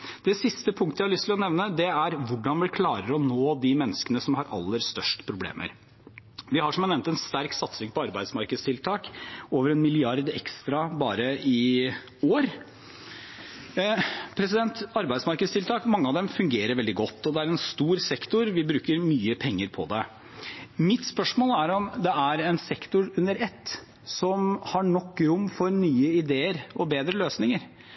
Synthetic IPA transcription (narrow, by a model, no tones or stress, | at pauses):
d̪̥ɛsɪst̪əpʰʊŋkt̪əjæɪhɑlʏst̪ʰlɔnɛʋnəd̪ɛæɾʋʊɖːɑnʋɪkʰlɑːɾəɾɔnoːd̪ɪmɛnːəskənəsɔmhɑɾʔɑ̰lːəɾst̪œʂʈpʰɾʊblḛːmʔə̰ɾ | ʋɪhɑʂɔmɑnɛʋm̩t̪ɛnst̪æɾksɑt̪sɪŋpɔɑɾbæɪd̪smɑɾkəd̪st̪ʰɪlt̪ʰɑːkoːʋəɾɛnmɪlɪɑɾd̪ɛ̰kst̪ɾɑbɑːɾəɪ | oːɾ | pʰɾɛsɪd̪ɛnt̪ɑɾbæɪsmɑɾkəd̪st̪ɪlt̪ʰɑːkmɑŋːəɑʋd̪ɛmfʉŋɡeːɾəɾʋɛld̪ɪɡɔt̪ːɔd̪ɛæɾɛnst̪uːɾsɛkt̪ʊɾʋɪbɾʉːkəɾmyːəpʰɛŋːəɾpʰɔ̰d̪ɛ | mɪt̪spœʂmoːlæɾɔmd̪ɛæɾɛnsɛkt̪ʊɾʉnːəɾɛt̪ː | sɔmhɑɳɔkːɾʊmːfɔɾnyːəɪd̪eːəɾɔbeːd̪ɾəløːsnɪŋəɾ